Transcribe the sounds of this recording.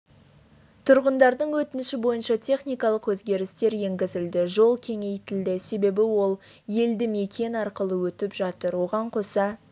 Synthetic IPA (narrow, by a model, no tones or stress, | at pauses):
t̪ʰʊɾʁənd̪ɑɾd̪əɴwɵt̪ɪnɪʃɪbo̞jənʃɑt̪ʲʰe̞χnijkɑlˠəqwɵzɡʲe̞ɾɪst̪e̞ɾje̞ŋɡʲɪzɪld̪ɪʒo̞lˠkʲʰe̞ŋe̞jt̪ɪld̪ɪse̞be̞bɪwo̞lˠje̞ld̪ɪme̞kʲʰe̞nɑɾqəlˠəwɵt̪ɪpʒɑt̪əɾwo̞ʁɑɴqʰo̞sɑ